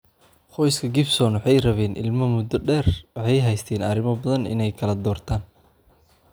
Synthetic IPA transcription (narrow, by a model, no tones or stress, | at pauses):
χɔjskʰɐɡɪbsɔːnwɑħɑjrɐβɛːnʔɪ̰lmɐmʊd̪ɐɖɛːrwɑħɑjɦɛjst̪ʰɛːnɐɾɪmɐbɐðɐnɪ̰nɛjkʰɐlɐd̪ɔːrt̪ʰaːn